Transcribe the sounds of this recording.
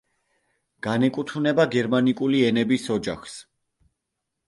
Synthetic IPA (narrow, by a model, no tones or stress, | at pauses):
ɡ̥anɛkʼut̪ʰunɛbaɡɛɾmanikʼuliɛnɛbisɔd͡ʒa̰χs